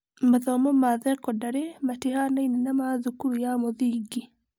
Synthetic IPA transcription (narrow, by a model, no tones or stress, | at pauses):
maðɔmɔmaðɛkɔdaɾematehanainenamaðukuɾujamɔðiɡi